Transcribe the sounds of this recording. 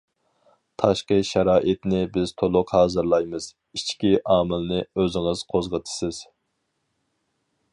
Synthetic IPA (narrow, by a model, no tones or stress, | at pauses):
t̪ʰɑʃqəʃæɾɑːʔɪt̪nɪbɪz̥t̪ʰolˠʊqhɑːzɨɾlˠɑjmɨz̥ | it͡ʃʰkʲiʔɑːmɪlnɪøzɪŋɨz̥qʰozʁət̪ʰɨ̥sɪz̥